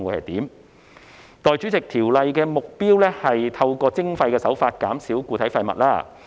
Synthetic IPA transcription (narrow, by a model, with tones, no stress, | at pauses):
ŋwuː˨˧˥hɐ˨jt̪iː˨˥m | t̪ɔː˨˩jt͡ʃyː˨˥t͡sɪ˨k̚t̪ʰiː˨˩wlɐ˧jkɛː˧mʊ˨k̚piː˥wlɛː˥hɐ˨jt̪ʰɐ˧wkɔː˧t͡sɪ˥ŋfɐ˧jkɛː˧sɐ˨˥wfaː˧t̚kaː˨˥msiː˨˥wkuː˧t̪ʰɐ˨˥jfɐ˧jmɐ˨t̚laː˥